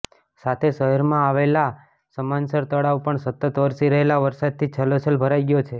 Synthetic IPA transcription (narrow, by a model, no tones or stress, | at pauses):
sat̪ʰeʃəɦəɾmãaʋela | səmansəɾt̪əɽaʋpəɳsət̪ːət̪ʋəɾsiɾəɦelaʋəɾsad̪̚t̪ʰit͡ʃʰəlot͡ʃʰəlbʱəɾajɡjot͡ʃʰe